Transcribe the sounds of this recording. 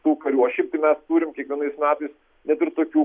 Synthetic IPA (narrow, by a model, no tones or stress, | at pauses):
t̪uːkɐɾʲuːɐʃʲɛɪp̚t̪ɐɪmʲɛst̪uːɾʲɪmkʲiɛkʋʲiɛnɐɪsmʲæːt̪ɐɪs | nʲɛt̪ɪrt̪oːkʲuː